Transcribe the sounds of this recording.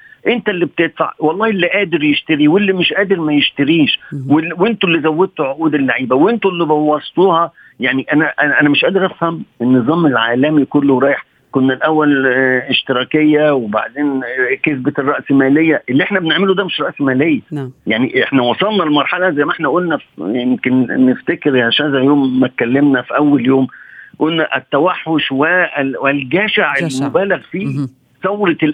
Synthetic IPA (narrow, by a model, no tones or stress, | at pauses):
ʔɪnt̪ælːib̚t̪et̪ˤfa̰ʕwɑlˤːɑːhlːiʔæːd̪ɪɾjɪʃt̪aɾiwɪlːimɪʃʔæːd̪ɪɾmæjɪʃt̪aɾiːʃwɪwɪnt̪ʊlːizæwːɪd̪̚t̪uʕoʔuːd̪ɪlːaʕiːbæwɪnt̪ʊlːibɑwɑsˤt̪ˤuːhɑ | jaʕniʔænæʔæʔænæmɪʃʔæːd̪ɪɾʔæfhæmɪnːɨzˤɑːmɪlʕaːlæmikʊlːʊɾˤɑːjɪħ | kʊnːælʔæwːælɪʃt̪ɪɾˤɑːkɪjːæwba̰ʕd̪eːnkesberˤːɑʔsmæːlejːæʔelːiʔeħnæbeneʕmelod̪æːmeʃɾˤɑʔsmæːlejːæjaʕniʔeħnæwɑsˤɑlnɑlmɑɾˤħɑlɑzæjːmæʔeħnæʔolnæfjemkenːeft̪ækeɾjæʃæzæʕjoːmːæt̪̚kælːemnæfiʔæwːæljoːmʔolnæʔæt̪ːæwæħːoʃwæwɪlɡæːʃaʕelmobæːlæɣfiː | sˤɑwɾɑ